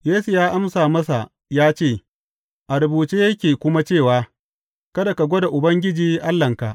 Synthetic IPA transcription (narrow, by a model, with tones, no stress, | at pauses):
jeː˦su˨jaː˦ʔa˦msaː˨mɐ˦sa˨ | jaː˦t͡ʃeː˦˨ | ʔa˨ɾʊ˨buː˨t͡ʃeː˦jɐ˦kʲeː˨kʷʊ˦ma˦t͡ʃeː˦˨waː˦ | kɐ˦da˨ka˨ɡʷɔ˦da˨ʔʊ˨bɐ˦ŋɡʲɪ˦d͡ʒiː˦ʔa˦lːɐ˨ŋka˨ʔ